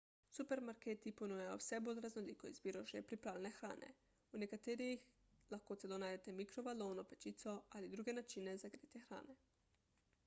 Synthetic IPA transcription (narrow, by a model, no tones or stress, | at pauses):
supeɾmaɾkeːt̪iponujajo̰wsɛbolʲɾaznoliːkoḭzbiːɾoʒɛpɾipɾaːlʲenexɾa̰ːnʔḛ | unekat̪eɾijix | laxkot̪sɛlonaːjd̪et̪ɛmikɾobaloːnopɛt͡ʃit̪soalid̪ɾuːɡenat͡ʃinezaɡɾit̪jexɾa̰ːne